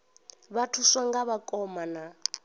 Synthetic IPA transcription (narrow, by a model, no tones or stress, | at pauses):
βatʰuswaŋɡaβakʼɔmana